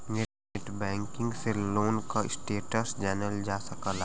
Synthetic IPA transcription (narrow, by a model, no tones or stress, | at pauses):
nɪ | ɪʈbɛ̃ːŋkɪ̃ŋɡseloːnkaɪsʈeːʈəsd͡ʒɛːnəld͡ʒaːsəkəl